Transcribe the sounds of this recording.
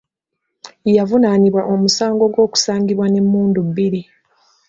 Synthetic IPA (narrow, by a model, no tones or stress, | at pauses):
javunaniβwaʔo̞musaːŋɡo̞ɡwo̞ːku̥saːŋɡiβwane̞mːuːndubːiɾi